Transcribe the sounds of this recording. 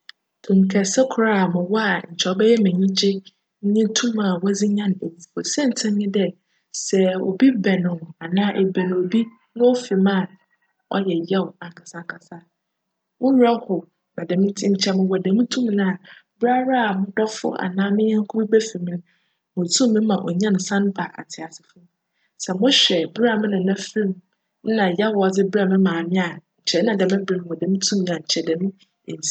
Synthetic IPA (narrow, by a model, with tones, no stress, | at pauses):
tʰũ˨m˨kʰɛ˨sɛ˦kʰʊ˨ɾa˦˨mɪ̃˨wɔ˦a˨ɲ̩˨t͡ɕʰɔ˨˦bɛ˦jɛ˦mɪ̃˨ɲĩ˦t͡ɕʰɪ˦ | ɲ˦ɲɪ̃˦tʰũ˦ma˨wɔ˦d͡zi˦ɲã˦ñ˨e˨wfɔ˨sɛ̃˦n̩˨tʰɪ̃˦ɲɪ̃˦dɛ˦ | sɛ˨o̰˨bi˦bɛ˨nɪ̃˨a˨nãː˦ʔɛ˨bæ̃˨ñ˨o˨bi˦ | nʊ̃˦ɔ˦fi˨mã˦˨ | ɔ̰˦jɛ˨jɛ˦wa˨ŋkʰa˨sã˨ŋ˨kʰa˨sa˦ | wʊ̃˦a˦hʊ˨ | nã˨dɛ̃˨mɪ̃˦tʰi˦ɲ̩˨t͡ɕʰɛ˦mʊ̃˦wɔ˨dɛ̃˨mĩ˦tʰũ˦m˨nã˦a˨bɪ˦ɾa˦ɾa˦a˨mʊ̃˦dɔ˦fʊ̰˦ʔa̰˨nãː˦mɪ̃˦ɲɛ̃˦ŋ̩˦kʰu˦bi˦bæ˦fi˨mɪ̃˦ | mʊ̃˨tʰũ˦mɪ̃˦mã˨ʔɔ̰˨ɲã˦n˨sã˦n˦ba˨ʔa̰˨tʰɪ˨a˨sɪ̥˨fʊ˦ | sɛ˨mʊ̃˦ɕᶣɛ˨bɾa˦˨mɪ̃˦nʊ̃˨nã˦fĩ˦˨m̩˦ | nã˨ja˦wɔ˨d͡zɪ˦bɪ˦ɾa˦˨mɪ̃˦mãː˨mɪ̃˦a˨ɲ̩˨t͡ɕʰɛ˨˦nã˨dɛ˨mɪ̃˦bɾɪ˨ñ˨wɔ˨dɛ̃˨mĩ˦tʰũ˦m̃˨a˨ɲ̩˨t͡ɕʰɛ˨dɛ̃˨mʊ̃˦ | e˨n˨s